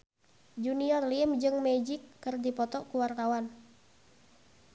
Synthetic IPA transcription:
d͡ʒuniɔrlimd͡ʒɨŋmɛd͡ʒikːɨrdipɔt̪ɔkuwart̪awan

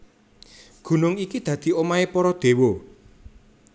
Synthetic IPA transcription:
ɡ̥ṳnʊŋikid̪̥ä̤d̪̥i̤omaepɔɾɔd̪̥e̤wo

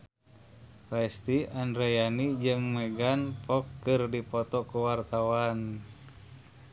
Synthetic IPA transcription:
lɛst̪iandɾejanid͡ʒɨŋmɛɡanpɔkːɨrdipɔt̪ɔkuwart̪awan

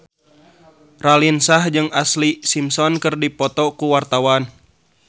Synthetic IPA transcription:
ralinsahd͡ʒɨŋaslisimsɔnkɨrdipɔt̪ɔkuwart̪awan

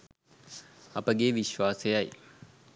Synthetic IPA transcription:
ɐpəɡeːʋiʃʋaːsejaj

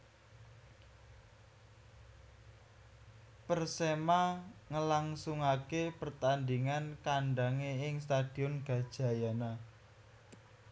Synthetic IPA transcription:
pərsemaŋəlaŋsuŋakepərt̪andiŋankaɳɖaŋeɪŋst̪ad̥i̤ɔnɡ̥a̤d̥ʒ̥a̤jana

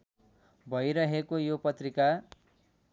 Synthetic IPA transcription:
bʱʌjɾʌɦekojopʌt̪rika

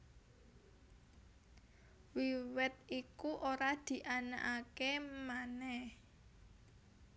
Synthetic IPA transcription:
wiwɛt̪̚ikuʔoɾad̪̥i̤ʔana̰ʔakemanɛh

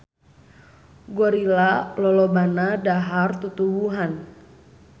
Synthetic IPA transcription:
ɡɔɾilalɔlɔbanadaɦart̪ut̪ubuɦan

